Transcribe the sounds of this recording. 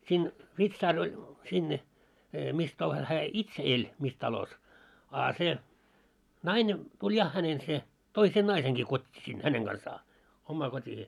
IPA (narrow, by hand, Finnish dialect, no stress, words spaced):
siːn ʋitsɑːr olʲ sinːe mis tɑlos hæː itse elʲ mis tɑlos ɑ se nɑine tulʲ jɑ hænen se toi sen nɑiseŋɡ̊i kotʲːiː sin hæneŋ ɡ̊ɑnsɑː omːɑː kotʲiheː